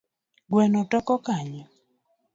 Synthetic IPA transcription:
ɡwɛnɔtɔkɔkaɲɔ

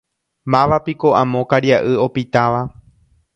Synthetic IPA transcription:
mãʋapiko̞ʔãmõ̞kaɾjaʔɨo̞pit̪aʋa

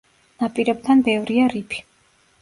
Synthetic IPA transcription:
napʼiɾɛb̚t̪ʰanbɛvɾiaɾipʰi̥

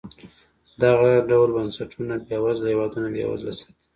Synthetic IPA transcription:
d̪aɣaɖawlbansaʈʰunabjawɑzlhewɑd̪unabja̰wa̰zlasḁt̪i̥

